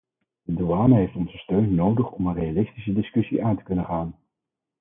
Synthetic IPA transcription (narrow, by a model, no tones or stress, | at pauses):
doaːnəɦejftɔnzəstøɥnːowdəχɔmənrejalɪstisədɪskɵsḭʔaːntə̥kɵnənχaːn